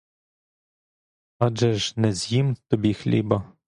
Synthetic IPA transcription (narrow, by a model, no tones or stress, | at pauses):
ɑd͡ʒɛʒnɛzʲjimt̪ɔbʲixlʲḭbɐ